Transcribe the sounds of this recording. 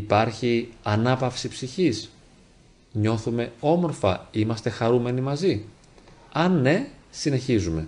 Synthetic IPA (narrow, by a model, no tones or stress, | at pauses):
ipɐɾçiɐnɐpɐfsipsiçis | ɲo̞θume̞o̞mo̞ɾfɐimɐst̪e̞xɐɾume̞nimɐzi | ɐnːe̞sine̞çizume̞